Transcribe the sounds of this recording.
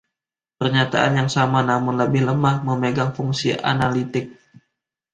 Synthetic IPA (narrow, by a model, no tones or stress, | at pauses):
pərɲat̪aʔanjaŋsamanamʊnləbɪhləmahməmeɡaŋfuŋsḭʔa̰nalit̪ɪk̚